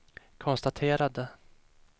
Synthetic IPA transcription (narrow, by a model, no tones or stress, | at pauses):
kʰɔnst̪at̪ʰeːɾad̪ə